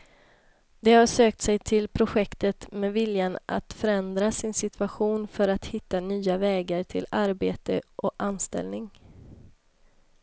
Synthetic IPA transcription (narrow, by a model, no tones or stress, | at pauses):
d̪ɛhaʂøːk̚t̪sɛjt̪ʰɪlpʰɾʊɧɛkt̪ət̪mɛvɪljanʔa̰t̪fœɾɛnd̪ɾasɪnsɪt̪ʰvaɧuːnfœɾat̪hɪt̪ːanyːavɛːɡaɾʈ̪ʰɪ̰laɾbeːt̪ə̰ʔɔkʔanst̪ɛ̰lnɪŋ